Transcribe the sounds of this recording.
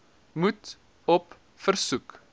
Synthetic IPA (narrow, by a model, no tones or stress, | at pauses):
mut | ɔp | fərsuk